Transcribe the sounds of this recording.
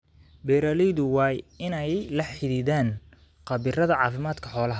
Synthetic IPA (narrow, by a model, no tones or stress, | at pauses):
bɛːɾɐlɪðʊwɑːjɪnɛjlɐħɪðiːðaːn | qɑβɪrɐðɐʕɑːfɪmaːd̪kʰɐħɔːlɐɦ